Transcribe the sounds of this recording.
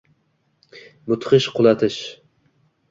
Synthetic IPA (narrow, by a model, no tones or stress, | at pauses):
bʊt̪χɨʃqʰʊlˠat̪ʰɪʃ